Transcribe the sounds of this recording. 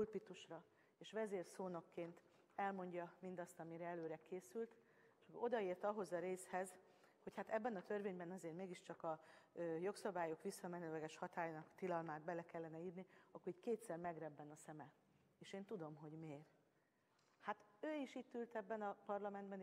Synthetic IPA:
ulpit̪uʃrɒ | eːʃʋɛzeːrsoːno̞kːeːnt̪ | ɛlmo̞ɲɟɒmind̪ɒst̪ɒmiɾɛɛløːɾɛkeːsylt̪ | ʃko̞d̪ɒeːrt̪ɒɦo̞zɒɾeːshɛz | ho̞chat̪ɛbːɛnɒt̪ø̞rveːɲbɛnɒzeːrmeːɡiʃt͡ʃɒkɒøːjo̞ksɒbaːjo̞kʋisːɒmɛnøːlɛɡɛʃhɒt̪aːjnɒkt̪ilɒlmaːd̪̚bɛlɛkɛlːɛnɛiːrniɒkːoɾiːɟckeːt̪sɛrmɛɡrɛbːɛnɒsɛmɛ | eːʃeːnt̪ud̪o̞mɦo̞ɟmeːr | hat̪øːiʃiːt̪ːylt̪ɛbːɛnɒpɒrlɒmɛnd̪bɛn

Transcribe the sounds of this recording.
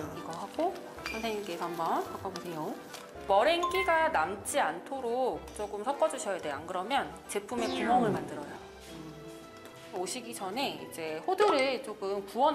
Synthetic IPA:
iɡʌɦaɡo | sʰʌnsʰeɲimk͈e̞sʰambʌnpak͈ʰʌbosʰe̞jo | mʌɾenk͈iɡanamt͡ɕ͈iantʰoɾok̚t͡ɕ͈oɡɯmsʰʌk͈ʌd͡ʑuɕʰʌjadeakɯɾʌmjʌnt͡ɕe̞pʰume̞kumʌŋɯɭmandɯɾʌja | oɕʰiɡid͡ʑʌne̞ḭd͡ʑe̞ɸoduɾɯɭt͡ɕ͈oɡɯmkuwʌn

